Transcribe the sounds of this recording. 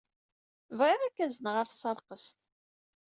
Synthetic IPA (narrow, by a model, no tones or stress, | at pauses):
vʁɪʁækːæzənʁəɾθsəɾˤqəs